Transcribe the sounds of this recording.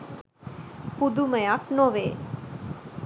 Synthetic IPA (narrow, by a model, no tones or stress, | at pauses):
pud̪uməjaknoʋeː